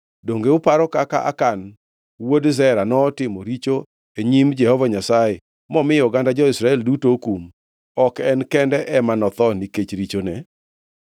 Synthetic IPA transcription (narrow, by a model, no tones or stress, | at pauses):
doŋɡeʊpaɾɔkaka̰ʔa̰kan | wodzɛɾanɔːtɪmɔɾit͡ʃo | eɲimd͡ʒɛhɔvaɲasaje | mɔmɪjɔɡandad͡ʒɔɪsɾaɛldutokum | ɔkɛnkɛndɛʔɛmanɔt̪ɔniket͡ʃɾit͡ʃonɛ